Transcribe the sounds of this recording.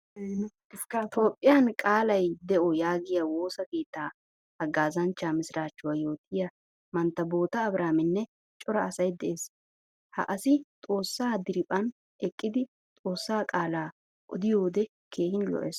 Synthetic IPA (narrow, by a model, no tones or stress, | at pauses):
t̪o̞ːpʼːɪjɐnkʼaːlɐjd̪ɛʔɔjaːɡɪjawo̞ːsɐke̞ːt̪ːaː | hɐɡaːzɐnt͡ʃːaːmɪsɪɾaːt͡ʃːʊwaːjo̞ːt̪ʰɪjɐ | mɐnt̪ːɐbo̞ːt̪ɐːbɾaːmɪnːɛ | t͡ʃʼɔɾɐːsɐjd̪ɛʔeːs | hɐ̰ʔɐsɪt̪ʼo̞ːsːaːd̪ɪɾɪpʼːɐn | ɛkʼːɪd̪ɪ | t̪ʼo̞ːsːaːkʼaːlaː | ʔɔd̪ɪjo̞ːd̪ɛ | kʰe̞ːhɪnlɔ̰ʔḛːs